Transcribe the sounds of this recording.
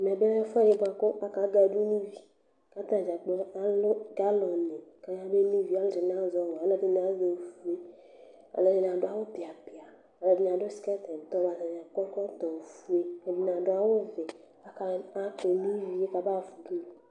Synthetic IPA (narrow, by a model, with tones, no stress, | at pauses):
m˨ɛ̃˨be˦e˦fa˦˨de˨bã˨kɔ˦a˦ka˨˦ɡa˦du˦nĩ˦vi˨ | ka˦t̪ã˦˨d͡ʒa˨k͡pɔ˦a˦lo˦ɡa˦lɔ̃˨nɛ̃˨ka˦ɲã˦be˦nĩ˦vi˨˦a˨˦lo˦d͡ʒe˨n˨ã˨˦zɔ˦wɔ˨a˨lɔ˦de˦ne˨a˦ze˨fu˦e˦ | a̰˨lɔ˨ne˨nã˨ɖo˨˦a˨˦wo˦pi˨a˨pi˨a˨ | a˨lɔ˨di˦ɲ˨ã˨ɖo˦si̥˦kɛ˦t̪ɛ˨t̪ɔ˦ba˨nã˨ɲ˨ã˨kɔ˦kɔ˦t̪ɔ̃˨fu˦e˦e˨bi˨n˨ã˨ɖo˦a˨wo˦vɛ˨ | a˨ka˨a˦k͡pe˨nĩ˦vi˦e˦ka˨ba˦˨fu˨du˦o˨